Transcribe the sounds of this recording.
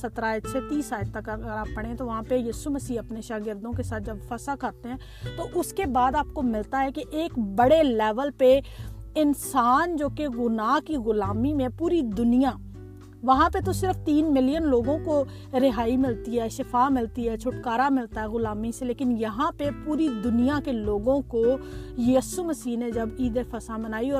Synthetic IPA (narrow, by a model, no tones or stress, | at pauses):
sɐt̪ɾaːɪt͡ʃʰet̪iːsaːt̪əkːɡəɾaːpəɽ̃ẽt̪oʋɐɦãːpejiːsuməsiːɐpneʃaːɡɪɾd̪õkesaːt̪̚ʰd͡ʒɐbfɐsakɐɾt̪eɦɛ̃ː | t̪oʔʊskebaːd̪aːp̚komɪlt̪aɦɛkeʔeːkbɐɽelɛːʋəlpeɪnsaːnd͡ʒoːkeɣʊnaːɦkiɣʊlaːmimẽpuːɾid̪ʊnɪjãː | ʋəɦãːpet̪osɪɾəfʰt̪iːnmɪlijənloːɡõko | ɾɪɦaːimɪlt̪iɦɛːʃɪpʰaːmɪlt̪iɦɛːt͡ʃʰʊʈkaːɾamɪlt̪aɦɛːɣʊlaːmiseleːkɪnjɐɦãpepuːɾid̪ʊnijakeloːɡõkojiːsuməsiːɦned͡ʒɐbiːd̪epʰəsamənaːiɔː